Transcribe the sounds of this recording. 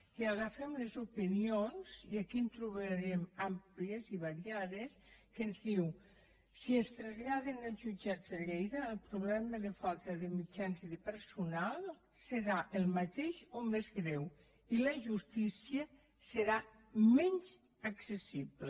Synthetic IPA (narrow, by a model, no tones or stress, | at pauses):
iaɣafemlezupinionz̥iakint̪ɾuβəɾemamplieziβaɾiaðeskenzðiw | siənst̪ɾazʎaðenəlˠzʒud͡ʒad͡zeʎejðəːlˠpɾuβlɛməðəfalˠt̪əðemid͡ʒanziðepəɾsunalˠ | seɾaʔəlˠmat̪eʃomezɣɾɛw | iləʒust̪isiə | səɾa | mɛnz | aksesiβle